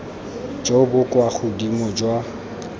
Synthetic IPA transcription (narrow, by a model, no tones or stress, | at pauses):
d͡ʒobʊkʼwaχʊdimɔd͡ʒwa